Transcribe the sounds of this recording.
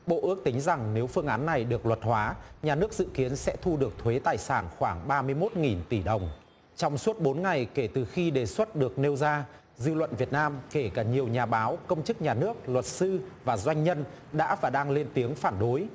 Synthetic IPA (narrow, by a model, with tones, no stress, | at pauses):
ɓo̰˧˨ʔɨ˦˥ək̚t̪ï˨˦ŋ̟za˨˩ŋne˨˦wfɨ˧əŋʔaː˨˦nːa˨˩jɗɨ˨˩ək̚lwə˨˩t̚hwaː˨˦ɲaː˨˩nɨ˦˥ək̚z̥ɨ̰˧˨ki˨˦ənsɛ̰˧˥t̪ʰu˧ɗɨ˨˩ək̚t̪ʰwe˨˦t̪aː˨˩jsaː˧˩nxwaː˧˩ŋɓaː˧mɨ˧əjmo˦˥t̚ŋi˨˩nt̪i˧˩ɗə˨˩wŋ͡m | t͡ɕɔ˧wŋ͡mswət̚ɓo˨˦nŋa˨˩jke˧˩t̪ɨ˨˩xi˧ɗe˨˩swə˦˥t̚ɗɨ˨˩ək̚ne˧wzaː˧ | zɨ˧lwə̰˧˨nvi˨˩ət̚naː˧mke˧˩kaː˧˩ɲi˨˩əwɲaː˨˩ɓaː˨˦wkə˧wŋ͡mt͡ɕɨ˦˥k̚ɲaː˨˩nɨ˦˥ək̚lwə˨˩t̚sɨ˧vaː˨˩zwa˧jŋ̟ɲə˧n | ɗa̰ː˧˥vaː˨˩ɗaː˧ŋle˧nt̪i˨˦əŋfaː˧˩nɗo˨˦j